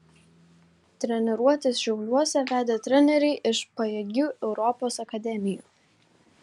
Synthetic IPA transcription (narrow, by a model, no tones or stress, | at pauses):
t̪ʲɾʲɛnʲɛɾuɔt̪ʲɪsʃʲɛʊlʲuɔsʲɛʋʲæːd̪ʲeːt̪ʲɾʲɛnʲɛɾʲɛɪʔɪʃpɐjɛɡʲuːʔɛʊɾɔpoːsɐkɐd̪ʲɛmʲɪjṵː